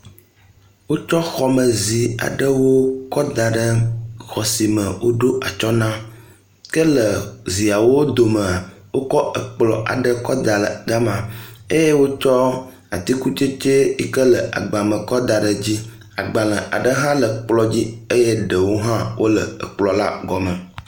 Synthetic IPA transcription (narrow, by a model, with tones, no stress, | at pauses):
wo˦t͡ʃɔ˦xɔ˨mə˨zi˨a̰˨ɖə˦wo˦kɔ˦d̪a˨ɖə˦xɔ˨si˨mə˨wo˦ɖo˦ʔa˨t͡ʃɔ˦nã˦ | kə˦lə˨zi˨a˨wo˦d̪o˨mə̃˨a˨ | wo˦kɔ˦ə˨k͡plɔ̰˨ʔa̰˨ɖə˦kɔ˦d̪a˨lə˨ɡa˦mã˨e˦je˦wo˦t͡ʃɔ˦ | a̰˨t̪i˦ku˦t͡ʃe˦t͡ʃe˦i˦kə˦lə˨ʔa̰˨ɡ͡ba˨mə˨kɔ˦d̪a˨ɖə˨d͡ʑi˦ | a̰˨ɡ͡ba˨lə̃˨ʔa̰˨ɖə˦ɦã˦lə˨k͡plɔ˦d͡ʑi˦e˦je˦ɖə˨wo˦ɦã˦wo˦lə̰˨ə̰˨k͡plɔ˨la̰˦ɡɔ˨mə̃˨